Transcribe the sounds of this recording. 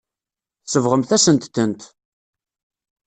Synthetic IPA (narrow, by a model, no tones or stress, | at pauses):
θsəvʁəmθæsənt̪ːənt̪